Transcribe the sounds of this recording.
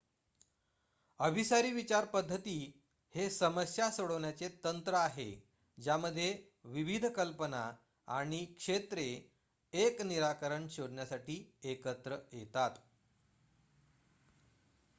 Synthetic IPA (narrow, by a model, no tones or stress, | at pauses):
əbʱisaɾiːʋit͡ɕaɾpəd̪ʱːət̪iː | hesəməsjasoɽəʋɳjat͡set̪ənt̪ɾəaɦe | d͡ʑjaməd̪ʱːje | ʋiʋid̪ʱkəlpəna | a̰ɽ̃ikʂet̪ɾe | ekniɾakəɾəɳɕoɽɳjasaʈiːekət̪ɾəjet̪at̪